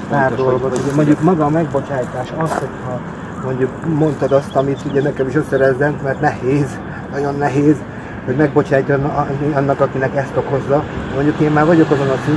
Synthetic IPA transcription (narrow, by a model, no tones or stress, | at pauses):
paːrd̪o̞loɡot̪uɟɛmo̞ɲɟukmɒɡɒːmɛɡbo̞t͡ʃaːjt̪aːʃɒsho̞chɒ | mo̞ɲɟukmo̞nt̪ɒd̪ɒst̪ɒmit̪uɟɛnɛkɛmiʃøsːɛɾɛzːɛmkmɛrt̪nɛheːz | nɒɟo̞nːɛɦeːz | ho̞ɟmɛɡbo̞t͡ʃaːcːɒnɒnːɒkɒkinɛkɛst̪o̞ko̞zːɒmo̞ɲɟukeːmmaːrvɒɟo̞kɒzo̞nɒsi